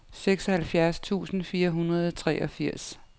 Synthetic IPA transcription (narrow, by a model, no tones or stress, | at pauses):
seɡ̥sɒhælfjæɐst͡sʰṵːsn̩fiːɐɦunʁɐð̞ˠɒt͡sʰʁɛ̰ːʔɒ̽fiɐ̰s